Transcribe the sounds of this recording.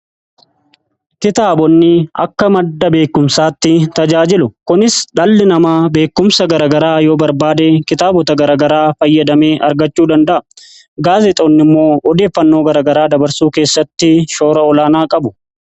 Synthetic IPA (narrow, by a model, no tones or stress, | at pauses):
kɪt̪aːbɔnːɪɐ̰kːɐmɐd̪ːɐbe̞ːkːʊmsaːt̪ːɪt̪ɐd͡ʒaːd͡ʒɪlʊkʊnɪsᶑɐlːɪnɐmaːbe̞ːkːʊmsɐɡɐɾɐːɡɐɾaːjo̞ːbɐɾbaːd̪eːkɪt̪aːbɔt̪ɐɡɐɾɐːɡɐɾaːfɐjːɐd̪ɐme̞ːʔɐɾɡɐt͡ʃːuːd̪ɐnd̪ɐʔɐ | ɡaːzɛt̪ʼonːɪmːo̞ːʔɔd̪e̞ːfːɐnːo̞ːɡɐɾɐːɡɐɾaːd̪ɐbɐɾsuːke̞ːsːɐt̪ːɪʃo̞ːɾɐɔlaːnaːkʼɐbʊ